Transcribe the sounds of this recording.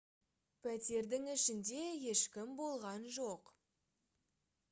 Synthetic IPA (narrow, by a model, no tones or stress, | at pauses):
pʰæt̪e̞ɾd̪ɪŋɪʃɪnd̪e̞je̞ʃkʲɪmbo̞lˠʁɑnʒo̞q